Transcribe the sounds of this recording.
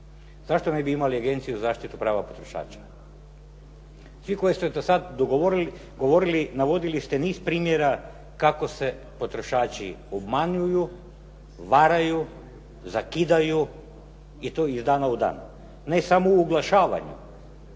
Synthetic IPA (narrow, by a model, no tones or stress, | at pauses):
z̥aʃt̪onebiimaliaɡe̞nt̪sijuzaːʃt̪it̪upɾaːʋapo̞t̪ɾo̞ʃa̰ːt͡ʃḁ | sʋiko̞jest̪ed̪osad̪d̪oɡoʋoɾili | ɡo̞ʋo̞ɾilinaʋo̞d̪ilist̪eniːspɾiːmjeɾa | kako̞se̞ | po̞t̪ɾo̞ʃaːt͡ʃiobmaɲuju | ʋaɾaju | zakid̪aju | it̪oizd̪aːnaud̪a̰ːn | nesamouːɡlˠaʃaːʋa̰ɲṵ